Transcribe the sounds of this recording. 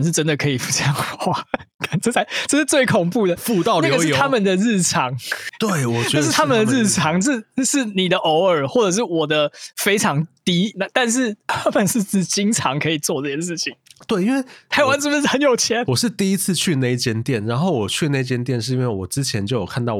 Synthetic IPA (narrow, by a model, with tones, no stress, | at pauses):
ʂɻ̩˥˩ʈ͡ʂə˦nd̪ə˨kʰɤ˧˥i˨˩fu̥˧˥ɕjɛ˥˧ŋ˥xwa˥˩ka˥˩ʈ͡ʂə˥˩t͡sʰa˧ɪʈ͡ʂɤ˥˧ʂɻ̩˥˧t͡swe˥˩ɪkʰʊ˨˩ŋpu˥˩d̪ə˩fu˥˧t̪ɑ˥˩ʊlna˥jɡə˩ʂ̩ʰ˥˧˩a˦˥mə˨nd̪ə˨ɻ̩˥˩ʈ͡ʂʰɑ˧˦ŋt̪we˥˩ɪwɔ˨˩t͡ɕʂ̩ʰ˥˩a˥mə˨nd̪ə˨ɻ̩˥˩ʈ͡ʂʰɑ˧˦˥ŋʂ̩˥˧ʂɻ̩˥˩ni˨˩d̪ə˦ʔo˧˥ʊə˞˨˩xwɔ˥˩ʈ͡ʂɤ˨˩ʂ̬ɻ̩˥˩wɔ˨˩d̪ə˦fe˥ɪʈ͡ʂʰɑ˧˥ŋt̪i˦˥na˧˦t̪a˥˧nʂ̬ɻ̩˥˩t̪ʰa˥mə˨nʂɻ̩˥˧ʈ͡ʂ̩˥˩t͡ɕi˥ŋʈ͡ʂʰɑ˧˥ŋkʰɤ˧˥i˨˩t͡swɔ˥˧ʈ͡ʂɤ˥˩t͡ɕʰjɛ˥nʂɻ̩˥˩t͡ɕʰi˨˦ŋt̪we˥˩ɪi˥nwe˥˩ɪt̪ʰa˧˥ɪwa˧˦ns̩ʰ˥˩˥ə˧˦njo˨˩ʊt͡ɕʰjɛ˧˦nwɔ˨˩ʂɻ̩˥˧t̪i˥˨i˦˥t͡s̩ʰ˥˧t͡ɕʰy˥˧ne˥˧ɪt͡ɕjɛ˥nt̪jɛ˥˩nɻa˨˦nxo˥˩ʊwɔ˨˩t͡ɕʰy˥˧ne˥˧ɪt͡ɕjɛ˥nt̪jɛ˥˧nʂɻ̩˥˧i˥we˥˩wɔ˨˩ʈ͡ʂɻ̩˥˦t͡ɕʰjɛ˨˦nt͡ɕjo˥˩ʊjo˨˩kʰa˥˧nt̪ɑ˥˩ʊ